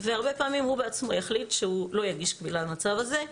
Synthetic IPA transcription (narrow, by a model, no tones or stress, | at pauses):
veaʁbe̞paːmimhubeat͡smo̞jaχlitʃehulo̞jaɡiʃkvilalmat͡savaze̞